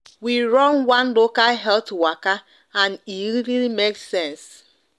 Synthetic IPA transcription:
wiɹɔ̃nwãnlokalɦɛltwaka | ãniɾilimeksɛ̃ns

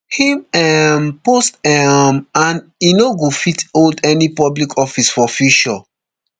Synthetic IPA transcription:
himɛmpostɛmãn | inoɡofitoldɛnipɔblikʰɔfisfɔfuʃɔ̰

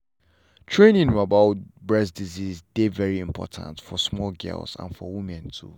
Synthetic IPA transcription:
tʰɹẽnĩnabaʊbɹɛsdizizdevɛɹiĩmpʰɔ̰tʰã̰ntfɔsmɔlɡɛ̰lsã̰nfɔwimɛ̃ntʰṵ

